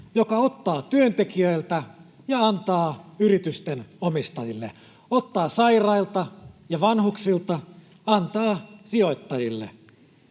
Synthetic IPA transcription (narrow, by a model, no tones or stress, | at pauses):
jokɑot̪ːɑːt̪yønt̪ekiøilt̪æ | jɑɑnt̪ɑːyɾit̪yst̪enomist̪ɑjilːḛ | ot̪ːɑːsɑirɑilt̪ɑjɑʋɑnhuksilt̪ɑ | ɑnt̪ɑːsio̞it̪ːɑjilːḛ